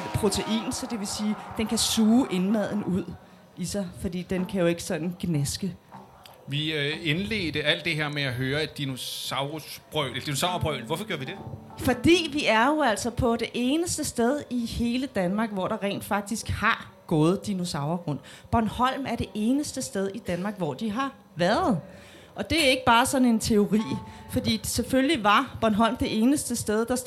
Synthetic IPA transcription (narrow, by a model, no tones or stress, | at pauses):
pʰʁo̝t͡sʰe̝ʔḭːnsɒ̽d̥e̝ʋe̝siːd̥enkʰæsuːʔe̝nmæð̞̰ˠn̩uð̞̰ˠ | isɑ̈ɪfɒ̽d̥ḭːd̥enkʰæjo̝e̝ɡ̥ə̥sɒ̽d̥n̩ɡ̥nesɡ̥ə | ʋiøenleːd̥əæl̰d̥e̝ɦe̝ɐ̰meæɦøːɐædd̥ino̝ɑ̈ʊʁosb̥ʁœʊlelɐd̥inosɑ̈ʊʁɐb̥ʁœ̰ʊlʋɒfɒɡ̥jɔːɐʋid̥e̝ | fɒ̽d̥ḭːʋiæɐjo̝æl̰sɒ̽pʰɒ̽ɾ̥e̝ʔe̝ːnəsd̥əsd̥eð̞ˠihe̝ːləd̥ænmɑ̈ːɡ̥ʋɒ̰ɾ̥ɑ̈ʁɛ̰ːnd̥fɑ̈ɡ̥̚d̥isɡ̥hɑ̈ | ɡ̥ɔ̽ːð̞̩ˠd̥ino̝sɑ̈ʊɐɡ̥ʁɔ̽n̰ | b̥ɶɐnhɒ̽l̰mæɐɾ̥e̝ʔe̝ːnəsd̥əsd̥eð̞ˠid̥ænmɑ̈ːɡ̥ʋɒ̰d̥iɦɑ̈ | ʋæɐð̞̩ˠ | ʔɒ̽d̥e̝æɐe̝ɡ̥b̥ɑ̈ːsɒ̽ne̝nt͡sʰe̝o̝ʁḭːfɒ̽d̥ḭːselfølliʋɑ̈b̥ɒɐnɦɒ̽l̰md̥e̝ʔe̝ːnəsd̥əsd̥eð̞ˠd̥ɑ̈